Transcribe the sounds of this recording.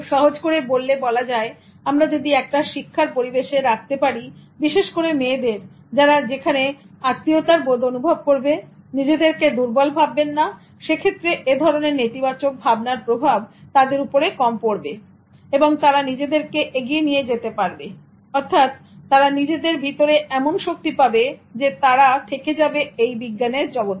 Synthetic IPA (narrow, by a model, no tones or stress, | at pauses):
ʃɔɦod͡ʑkoɾebolːebɔlad͡ʑae | amɾad͡ʑod̪iɛk̚ʈaʃikʰːaɾpoɾibeʃeɾak̚ʰt̪epaɾibiʃeʃkoɾemeːd̪eɾ | d͡ʑaɾad͡ʑekʰane | at̪ːiot̪aɾbod̪onubʱob̚koɾbe | nid͡ʑed̪eɾked̪uɾbɔlbʱabːenːa | ʃekʰet̪ːɾeʔed̪ʱɔɾoneɾnit̪ibat͡ɕok̚bʱabnaɾpɾobʱabt̪ad̪eɾupoɾekɔmpoɾbe | eboŋt̪aɾanid͡ʑed̪eɾkeʔeɡienijed͡ʑet̪epaɾbe | ɔɾt̪ʰat̪ː | aɾanid͡ʑed̪eɾbʱit̪oɾeʔɛmonʃok̚t̪ipabed͡ʑet̪aɾat̪ʰeked͡ʑabeejbiɡːaneɾd͡ʑɔbo